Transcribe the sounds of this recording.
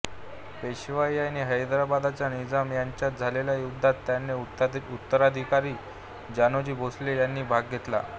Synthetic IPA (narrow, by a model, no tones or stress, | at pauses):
peɕʋajaniɦəjd̪ɾabad̪at͡ɕjanid͡zamjaɲt͡ɕjat̪̚d͡zʱaleljajuɡd̪ʱat̪ːjanːeut̪ːəɾad̪ʱikaɾiː | d͡ʑanod͡ʑiːbʱosleljanːiːbʱaɡ̚ɡʱet̪la̰